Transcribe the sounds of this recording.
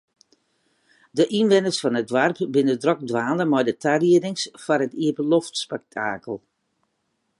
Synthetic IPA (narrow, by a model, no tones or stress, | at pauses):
dəʔinʋɛnəsfɔnətʋarpbɪnədrɔk̚dʋaːnəmɔjdətʰariədɪŋsfɔɾətiəpəlɔftspɛk̚tʰaːkəlˠ